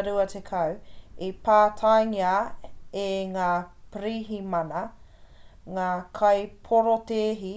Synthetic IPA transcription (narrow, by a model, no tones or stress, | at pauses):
ɾuɐtʰekʰɐwipaːtʰajŋiaeŋaːpɾiːɦimɐnɐ | ŋaːkʰɐjpʰoɾot̪eːɦi